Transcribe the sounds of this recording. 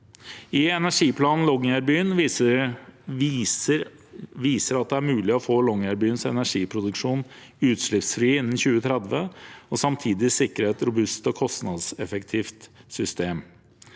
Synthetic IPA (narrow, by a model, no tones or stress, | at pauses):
ɪɛnæʂiːpʰlɑːnn̩lɔɡæɾbyːn | ə | ʋiːsəɾɑt̪̚d̪ɛæɾmʉːlɪɔfoːlɔŋæɾbyːnsɛ̰næʂiːpʰɾʊd̪ʉkʂuːn | ʉːt̪ʂɭɪpsfɾiːɪnːn̩çʉːət̪ʰɾɛd̪ʋəɔsɑmt̪ʰiːd̪ɪsɪkːɾəɛt̪ɾʊbʉst̪ɔkʰɔst̪nɑd̪sɛfɛkt̪ʰiːft̪sʏst̪eːm